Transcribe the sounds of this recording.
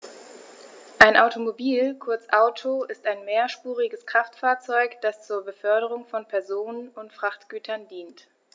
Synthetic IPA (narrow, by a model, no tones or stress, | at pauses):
ʔaɪnʔaʊtomobiːlkʰʊɐt͡sʔaʊtʰoɪstaɪnmeːɐʃpuːʁɪɡəskʁ̥aftfaːɐt͡sɔʏkd̥ast͡suːɐbəfœɐɾəʁ̞ʊŋfɔnpʰɛɐzoːnənʊntfʁ̥aχtɡ̥yːtʰɐndiːnt